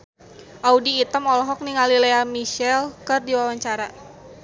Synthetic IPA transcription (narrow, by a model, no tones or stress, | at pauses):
ʔaudiːt̪əmɔlɔɦɔk̚niŋalileamiʃɛlkɨrdiwawaɲt͡ʃaɾa